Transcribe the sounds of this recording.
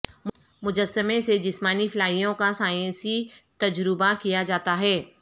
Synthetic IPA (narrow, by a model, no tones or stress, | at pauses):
m | mʊd͡ʒəsːəmẽsed͡ʒɪsmaːnifɪlaːijõkasaːjɛ̃nsit̪ɐd͡ʒɾɪbakijad͡ʒaːt̪aɦɛː